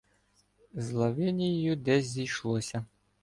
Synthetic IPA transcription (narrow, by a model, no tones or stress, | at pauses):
zlˠɐʋɪnʲijɪjʊd̪ɛzʲzʲijʃlˠɔsʲɐ